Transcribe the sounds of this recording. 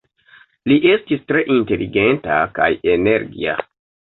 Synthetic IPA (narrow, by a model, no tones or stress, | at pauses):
liʔe̞stistɾe̞ʔinte̞lʔiɡe̞nta̰ka̰jeneɾɡia̰